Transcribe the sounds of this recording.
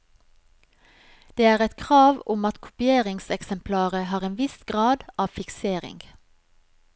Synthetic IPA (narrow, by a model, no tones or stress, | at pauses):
d̪̥eːæːʁɛt̪kʰʁɑːʋʊmɑt̪kʰʊ̥pɪeːʁɪŋsɛksɛmpʰlɑːʁəhɑːʁeːnʋɪsɡʁɑːd̪ʔɑːfɪkseːʁɪ̰ŋɡ